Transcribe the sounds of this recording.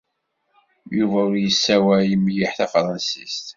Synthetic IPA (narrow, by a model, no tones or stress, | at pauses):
juvæʊɾjəsːæwæjəmːijiħθæfɾˤɑnsist̪